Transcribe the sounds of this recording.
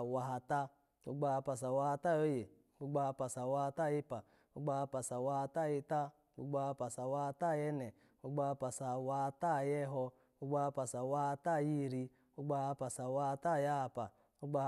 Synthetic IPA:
wa˧ɦa˧ta˦ | ṵ˦ɡ͡ba˧ha˧pa˨s̬a˨wa˧ha˧ta˦jo˦je˨ | u˦ɡ͡ba˧ha˧pa˨sa˨wa˧ha˧ta˦˨ji˦pa˨ | u˦ɡ͡ba˧ha˧pa˨sa˨wa˧ha˧ta˦˨ji˧ta˦ | ṵ˦ɡ͡ba˧ha˧pa˨sa˨wa˧ha˧ta˦˨jɛ˧˦nɛ˨ | u˦ɡ͡ba˧ha˧pa˨sa˨wa˧ha˧ta˦˨jɛ˦ɦɔ˧ | u˦ɡ͡ba˧ha˧pa˨sa˨wa˧ha˧ta˦˨ji˦˨ɾi˧ | u˦ɡ͡ba˧ha˧pa˨sa˨wa˧ha˧ta˦˨ja˦a˧pa̰˨ | u˦ɡ͡ba˧

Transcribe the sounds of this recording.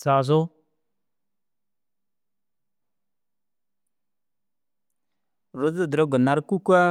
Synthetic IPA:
sa˨z̬o˦ | ɾo˨˦zə˦˨də˨ɾə˦ɡə˨na˨ɾku˦kwa˦

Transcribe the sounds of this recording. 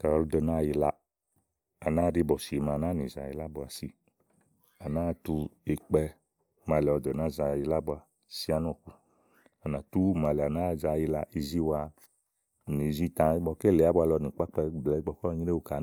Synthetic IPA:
ka˨ɔ˧ɾu˧dɔ˨na˦˨ji˧la˧ | a˨na˦ɾi˧˦bɔ˨si˨ma˨na˦ni˨za˧˨ji˧la˦bu˧a˧si˧ | a˨na˦˨tu˧e˧k͡pɛ˧ | ma˧lɛ˨ɔ˧dɔ˨na˦˨za˧ji˧la˦bu˧a˧ | si˦a˧n˦ɔ˧˨ku˧ | a˨na˨tu˦ma˧lɛ˨a˨na˦˨za˧ji˧la˧ʔi˧zi˦˧wa˧˨ | ni˨zi˧tã˧˨i˦bɔ˧ke˦lɛ˨a˦bu˧˦a˧lɔ˧ni˨k͡pa˦k͡pa˧˦˨blɛ˨˦ɡ͡bɔ˧kɔ˦˧ɲi˦ɾe˦u˧˨ka˨

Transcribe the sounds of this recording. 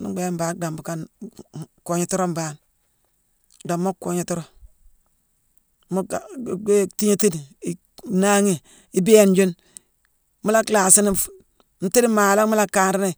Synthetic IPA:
nṵ˦ɡ͡be˨˦m˦baː˨k̚da˨mbu˨ka˦n | ko˨ɲi˨˦tu˦ɾo˦m˦ba˨˦n | da˨mo˦kːo˨ɲe˨tu˦ɾo˦ | mu˦˨ɡe˦ti˦ɲe˦ti˦di˨ | na˦ŋi˦˨ | i˦bi˦e˦˨nd͡ʒu˦n | mu˦la˦kla˨si˦ni˦ | n̩˦ti˦di˦maː˨la˦mu˦la˦kːa˨nɾi˦ni˦˨

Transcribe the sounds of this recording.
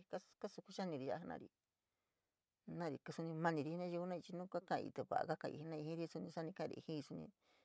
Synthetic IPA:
ka˦ka˦su˧ku˦ʃa˦nĩ˧˨ɾi˧a˧˦˧nã̰˧ɾḭ˧ | nã˦˧ɾi˨˧kɨ˧su˧nĩ˧mã˧nĩ˧ɾi˧nã˦˧u˧u˧˦nã˦˧i˧t͡ʃi˧nũ˦kʷa˦kã̰˦˧ḭ˧t̪e˧βa̰˨ʔa̰˧ka˦kã̰˧ḭ˧˨i˧nã˧i˧hĩ˦ɾi˧˦˧su˧nĩ˧sa˦nĩ˧kã˦˧ḭ˧hĩ˦i˧su˧nḭ̃˧

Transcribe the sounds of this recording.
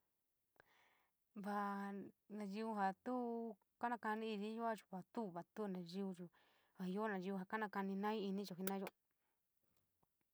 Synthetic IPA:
βa˧ | nã˧ʒi˧u˧ɦa˨t̪u˦ | ka˦nã˧ka˧nĩ˦i˧ni˦ju˦a˦t͡ʃu̥˧˨βa˨t̪u˦˨βa˨t̪u˦˨nã˨ʒi˧u˧t͡ʃu˨ | a˨˧jo˦nã˨ʒi˧u˧ɦa˨ka˦nã˧ka˧nĩ˧nã˦ĩ˦i˧nĩ˦t͡ʃo˨ɦi˧nã˦jo˧˦

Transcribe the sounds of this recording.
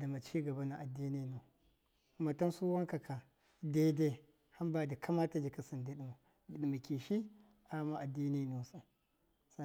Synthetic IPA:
da˨ma˨t͡ʃiː˦ɡɐ˨ba˦na˨ʔa˨dːi˦ni˦˨no˨ | ku˦ma˨ta˦nsu˦wa˦ŋka˨kʰa˨ | de˦de˦ | ha˦mba˨da˨kʰa˦ma˦ta˨d͡ʒi˨ka˨si˨nda˦ɗi˨mu˨ | di˨ɗi˨ma˨kʲi˨ʃi˦ | a˨˦ma˦ʔa˨di˦ni˦nu˨sa˨ | sa˦

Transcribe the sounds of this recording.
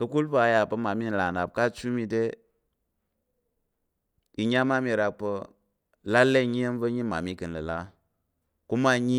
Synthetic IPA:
kə˧ku˦lfa˨˦˨ja˨pə˦ma˨mi˦n˨la˨na˨p̚ka˦t͡ʃu˦mi˧de˦ | i˨ɲa˦ma˦mi˨ɾa˨k̚pə˧ | la˦lːe˦˨ɲi˦je˦nvə˦ɲi˦ma̰˨mi˦kɨ˨nlə˨la˦ | ku˦ma˦ɲi˦

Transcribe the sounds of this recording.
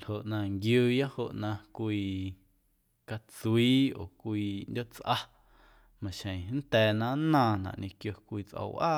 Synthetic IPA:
ho˨ʔnã˧ŋɡjuː˦˧ja˦ho˧ʔnã˧kʷiː˧ | ka˧t͡su˧iː˦o̰ː˨kʷiː˧ndʲo˦ʔt͡sʔa˧ | mã˨ʃẽ˨˦n̩˦t̪ɛː˨˧nã˦nãː˧nã̰˨ʔɲʔẽ˧kjo˧kʷiː˧t͡sʔə̰˧wʔaː˦˨

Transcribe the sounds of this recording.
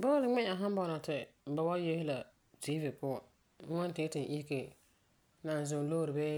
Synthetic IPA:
bɔ˦lɪ˨ŋ͡mɛ˦a˨ɦa˦m˦bɔ˦˨na˨tɪ˨ba˨wa˦je˦hɪ˦la˨ | tiː˦vɪ˨pʊ˦ɔ˨˦ | ŋɔ˦n˦tɪ˦tɪ˨n˨ʔi˦hke˨ | na˨n˨zʊ˨˦loː˦ɾɪ˨bɛ˦

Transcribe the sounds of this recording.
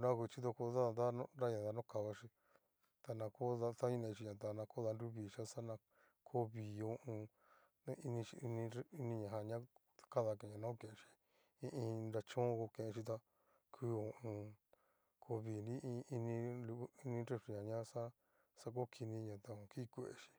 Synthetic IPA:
ɾa˦˧ku˧t͡ʃi˦ðo˧ko˧ða˦˧nd̪a˦nõ˧ɾa˦ɲã˧˨ða˧nõ˦ka˧βa˧ʃi˧ | t̪a˧nã˧ko˦ða˧t̪a˦ɲĩ˦˧nẽ˧t͡ʃi˧ɲã˨t̪a˧nã˧ko˦ða˧nɾu˦βi˨ʃa˦sa˦nã˧ | kʰo˦βi˨õ˧˦ʔũ˧˦ | i˧nĩ˧t͡ʃi˧nĩ˧i˧nĩ˧ɲã˨ɦã˧ɲã˦ | ka˦ða˧kẽ˨ɲã˧nã˦o˦˧kẽ˨ẽ˧t͡ʃi̥˧ | ĩ˧ʔĩ˧nɾa˧t͡ʃõː˦˧ko˧kẽ˧ʔẽ˧ʃi˧t̪̬a˧ | kʰɨː˦õ˨ʔũ˧ | kʰo˧βi˨nĩ˦˧i˧nĩ˧lu˧˦i˧nĩ˧ɾe˧fɾe˧ɲã˨ɲã˦sa˦ | sa˧k̬o˦kʰi˧nĩ˧ɲã˨t̪a˧õ˧ki˦˧kʷe˧˦ʔḛ˧ʃi̥˧

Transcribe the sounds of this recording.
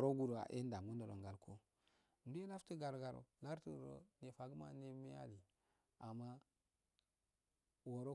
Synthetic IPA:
ɾo˦ɡu˦˨ɾo˨a̰˨ʔe˦n˦da˨ŋu˦ndo˨lo̰˨ŋɡa˨lkʰo˦ | n˦be˦la˦ftə˦ɡa˨ɾɡa˨ɾo̰˨la˦ɾtə˨ɾo̰˨ne˨fa˨ɡə˦ma̰˨ne˦me˦a̰˦li˨ | a˨ma˦ | wo˨ɾo˦

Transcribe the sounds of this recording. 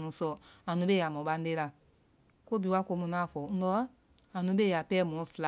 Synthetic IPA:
nũ˨˦sɔ˨ã˨nũ˨˦ɓe˦ja˨mɔ̃˨ɓa˧n˦de˦la˧ | ko˦bi˨˦wa˦ko˧˦mũ˧nã˦˨fɔ˨˦n̩˦ɔ˦ | a˨nũ˨˦ɓe˦˨ja˨pɛː˦˨mɔ̃˨˦˨fla˨

